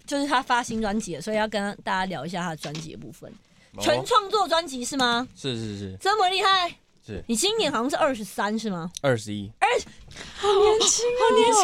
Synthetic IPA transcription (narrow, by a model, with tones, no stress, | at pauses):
t͡ɕjo˥˧ʊʂɻ̩˥˩t̪ʰa˥fa˦˥ɕi˧˥ŋnʈ͡ʂwa˦˥nt͡ɕi˨˥lə˨˩swɔ˧˥i˨˩jɑ˥˩ʊkə˥nʰa˥t̪a˥˩t͡ɕa˥ljɑ˧ʊi˧˩ɕja˥˩a˥d̪ə˨˩ʈ͡ʂwa˦nt͡ɕḭ˧˥d̪ə̰˩pṵ˥˩fə̰˨˩nʰ | wə˧˦nʈ͡ʂʰwɑ˥˧ŋt͡swɔ˥˨ʈ͡ʂwa˦nt͡ɕi˧˦˥ʂɻ̩˥˩ma˨˩ʂɻ̩˥˧ʂɻ̩˥˧ʂ̩˥˩t͡sə˥nmə˨˧li˥˧xa˥˩ɪ | ʂ̩˥˩ni˨˩t͡ɕʰi˥njɛ˨˥nxɑ˨˧sɑ˥˧ʂɻ̩˥˧ʔə˥˩ʂɻ̩˧˦sa˦nʂɻ̩˥˩ma˨ə˥˩ʂɻ̩˧˦i˦˥ə˥˩a˨˧nɛ˧˦nt͡ɕʰi˥ŋ˧nɛ˨˧˦